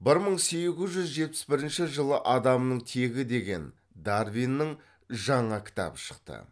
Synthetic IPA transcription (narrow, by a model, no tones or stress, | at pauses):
bɪɾməɴse̞ɡʲɪzʒʏzʒe̞t̪̚pɪ̥sbɪɾɪnʃɪʒəlˠəʔɑd̪ɑmnəɴt̪ʰe̞ɡʲɪd̪e̞ɡʲe̞̰n | d̪arvijnːɪɴ | ʒɑɴɑkʲʰɪ̥t̪ɑ̰bəʃə̥qt̪ə̰